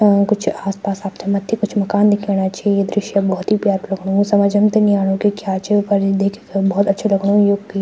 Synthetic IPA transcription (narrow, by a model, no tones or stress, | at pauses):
kʊt͡ʃʰaːspaːsaːp̚t̪ʰemɐt̪ʰːikʊt͡ʃʰmɐkaːnd̪ɪkʰeːɽ̃at͡ʃaːied̪ɾɪʃjəbɔːt̪ɦipjaːt̪lɐɡɽ̃osɐməd͡ʒɐmt̪eniaːɽ̃õkikjaːt͡ʃʰepɐɾid̪ekʰːbɔːt̪ɐːʃʰelɐɡɽ̃õjoki